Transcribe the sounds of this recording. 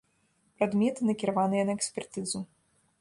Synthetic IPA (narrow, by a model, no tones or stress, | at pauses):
pɾad̪mʲɛt̪ɨnɐkʲiɾavanɨjɐnɐɛksʲpʲɛrt̪ɨzu